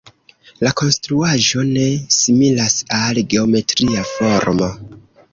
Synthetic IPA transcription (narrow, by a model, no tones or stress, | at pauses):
lako̞nstɾuaʒo̞ne̞similasalɡe̞o̞me̞tɾiafo̞ɾmo̞